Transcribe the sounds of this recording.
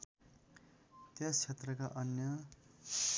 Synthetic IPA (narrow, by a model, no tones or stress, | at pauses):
t̪jat͡sʰet̪rʌkaʔʌnjʌ